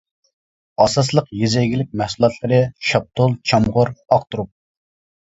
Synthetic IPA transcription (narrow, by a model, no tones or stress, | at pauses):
ɑsɑslˠəqjezɛjɡʲilɪk̚ʲmæhsulˠɑt̪ʰlˠəɾɨʃɑp̚t̪ʰolˠt͡ʃʰɑmʁʊɾɑqt̪uɾup̚